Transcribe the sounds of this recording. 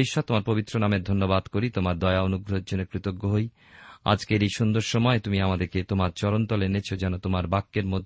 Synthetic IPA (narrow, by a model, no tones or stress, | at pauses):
jʃɔt̪omaɾpobit̪ːɾonameɾd̪ʱonːobad̪koɾit̪omaɾd̪ɔeaonuɡɾod͡ʑoneɾkɾit̪oɡːoɦoj | a̰d͡ʑkeɾejʃund̪oɾʃɔmɔet̪umiamad̪eɾket̪omaɾt͡ɕɔɾont̪ɔlenet͡ɕʰod͡ʑɛnot̪omaɾbakːeɾmod̪ʱ